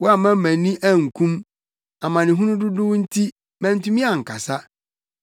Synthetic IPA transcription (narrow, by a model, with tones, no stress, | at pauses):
wɔ˦a˨mã˦mæ̃˨nĩ˦ʔæ˦˨ŋ̩˨kʰũ˦m | a˨mã˨nɪ̃˨ɦʊ̃˦nʊ̃˦dʊ˦dʊ˦wn̩˦tʰi˦ | mæ̃˨˦n̩˦tũ˦mĩ˦a˨ŋ̩˨kʰa˨sa˦